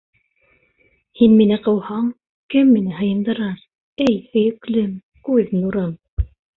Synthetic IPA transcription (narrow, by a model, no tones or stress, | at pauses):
hinminɘqɤ̆whɑɴ | kɘmːinɘɦɤ̆jɤ̆nd̪ɤ̆ɾɑɾ | ɘjhɵ̆jɘ̆klɘm | kʉðnuɾɤm